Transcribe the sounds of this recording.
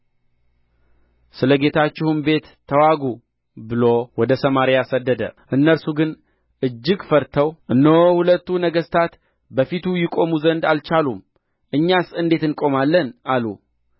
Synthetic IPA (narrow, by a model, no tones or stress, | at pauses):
sɨləɡe̞t̪ʰat͡ʃːɪhumbe̞t̪ʰːəwaɡu | bɨlo̞wɔd̪əsəmaɾijasəd̪ːəd̪ə̰ʔɨnːəɾsuɡɨn | ʔɨd͡ʒːɪɡfəɾt̪ʰəwʔɨnːəwhulət̪ːunəɡəst̪ʰat̪ | bəfit̪ʰujɪkʼo̞muzənd̪alt͡ʃalum | ʔɨɲːasɨnd̪e̞t̪ɨnkʼo̞malːənalṵ